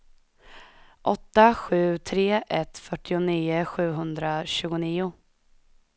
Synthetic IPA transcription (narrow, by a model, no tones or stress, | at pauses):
ʔɔt̪ːaɧʉ̟ːt̪ʰɾeːʔɛt̪fœʈːɪʊniːəɧʉ̟ːɦɵnd̪ɾaɕʉ̟ːɡʊniːʊ